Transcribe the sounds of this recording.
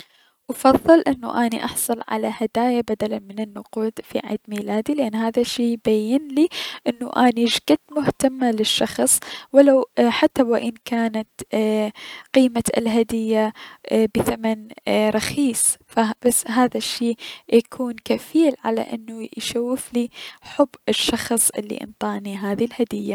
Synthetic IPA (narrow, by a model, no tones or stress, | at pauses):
ʔɑfɑðˤːɨlʔɪnːṵʔaːnḭʔɑħsˤʊlʕa̰lahad̪aːjabad̪alanmɪnɪnːʊquːd̪̥fḭʕḭːd̪miːlaːd̪ilɪʔanːɦaːðaʃːiːbajːɪnliʔɪnːuʔaːniʒɡad̪mʊht̪amːalɪʃːɑxsˤwɪlawħat̪ːawɪʔɪnkaːnat̪ | qiːma̰lɦad̪ɪjːabɪθamanɾˤɑxiːsfabasːɦaːðaʃːiːjakʰuːnkafiːlʕa̰la̰ʔɪ̰nːujʃawːɪfliħʊbːɪʃːɑxsˤʔɪ̰lːḭʔɪ̰nt̪ˤɑːʔniɦaːðilhad̪ɪjːa